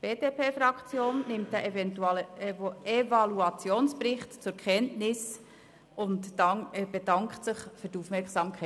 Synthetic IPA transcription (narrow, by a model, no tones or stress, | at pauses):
b̥eːd̥eːpʰeːfɾɑkʰt͡sjoːnːɪmtdæʔɛvɛntul | evɑluɑt͡sjoːnsprɪχtt͡sʊɾkχɛntnɪs | ʊntɑb̥edɑŋkχtsɪχføɾdufmɛɾkχsɑmkʰɛ